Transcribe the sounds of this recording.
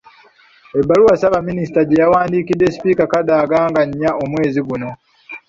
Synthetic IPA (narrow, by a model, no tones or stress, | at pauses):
ebːaluwasaβaminisi̥taɟejawaːndikidːe̞spiːkakadaːɡaːŋɡaɲːaomwe̞ːziɡuno̞